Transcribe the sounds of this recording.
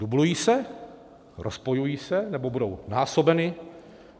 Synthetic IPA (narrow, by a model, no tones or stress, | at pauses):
dublujiːsɛ | ɾʔospojujiːsɛnɛbo̞budownaːso̞bɛnɪ